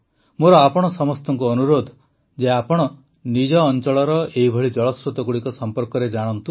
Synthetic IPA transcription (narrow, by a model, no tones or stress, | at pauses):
moɾɔapɔɽ̃ɔsɔmɔst̪ɔŋkuɔnuɾod̪ʱ | d͡ʒeapɔɽ̃ɔ | nid͡ʒɔːnt͡ʃɔɭɔɾɔeɦibʱɔɭid͡ʒɔɭɔsɾut̪ɔɡuɽikɔsɔmpɔɾkɔɾed͡ʒaɽ̃ɔnt̪u